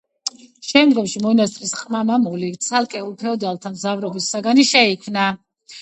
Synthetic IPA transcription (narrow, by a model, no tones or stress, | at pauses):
ʃɛmd̪ɡɔmʃimɔnast̪ʼɾisqʼmamamulit̪sʰalˠkʼɛulˠpʰɛɔd̪alˠt̪ʰamzavɾɔbisːaɡaniʃɛikʰmna